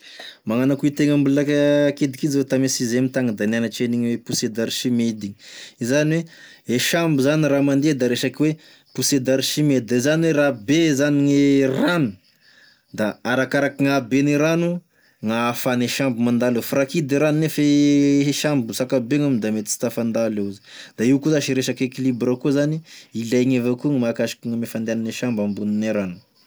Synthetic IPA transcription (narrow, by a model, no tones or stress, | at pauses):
maŋanakuit̪eŋambuulakaked̪ikid͡zet̪amesizemit̪aŋəd̪ananaʈ͡ʂeniɲwepused̪aɾiʃimed̪iizaniwe | eʃambuzaniramand̪ed̪aɾeʃakiwe | pused̪aɾiʃimed̪id̪aizaniwerabezaniŋerani̥ | d̪aaɾakaɾakiŋabeniɾanu | ŋafaneʃambumand̪alefrakid̪eɾaninefeʃambusakabeŋamind̪amet̪i̥si̥t̪afand̪aleuzi̥d̪̥aiwkuzaʃiɾeʃakekilibrakuzaniilajŋevakuŋmakaʃi̥kuŋamefand̪eananeʃambambunineɾanu̥